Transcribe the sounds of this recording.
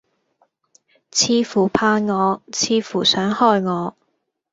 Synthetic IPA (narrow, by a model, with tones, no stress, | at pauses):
t͡sʰiː˧fuː˨˩pʰaː˧nŋɔː˨˧t͡sʰiː˧fuː˨˩sœː˨˥ŋhɔː˧jŋɔː˨˧